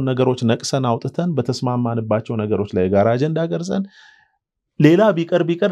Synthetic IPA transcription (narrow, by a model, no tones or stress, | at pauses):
nːəɡəɾo̞t͡ʃːnəkʼsənawt̪ʼɨt̪ʰənbət̪ʰəsmamːanɨbːat͡ʃːɛwnəɡəɾo̞t͡ʃːlajɡaɾaːd͡ʒɛnd̪aɡəɾzʼən | le̞labikʼəɾbikʼəɾ